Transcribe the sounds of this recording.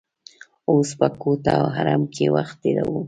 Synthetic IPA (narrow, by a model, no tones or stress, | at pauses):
ospakot̪awɦaɾamkʰewaχt̪̚ːeɾawu